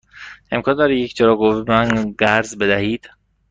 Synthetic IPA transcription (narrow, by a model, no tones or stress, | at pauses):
e̞mkʰɒːnd̪ɒːɾijecʰd͡ʒeɾɒːɡomænɡæɾzbed̪æhiːd̪̥